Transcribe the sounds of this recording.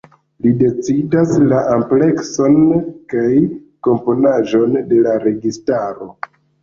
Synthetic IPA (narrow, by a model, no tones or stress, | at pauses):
lide̞t͡sidaslaʔample̞kso̞nkajko̞mpo̞naʒo̞nde̞laɾe̞ɡistaɾo̞